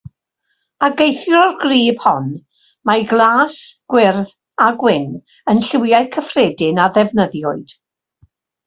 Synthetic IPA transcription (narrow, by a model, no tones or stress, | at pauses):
aɡejθjɔrɡriːb̥hɔn | maɡlˠaːsɡ̥wɪrð | aɡwɪn | ənɬɪwjaɨkʰəfrɛːdɪnaðɛvnəðjɔɨd̥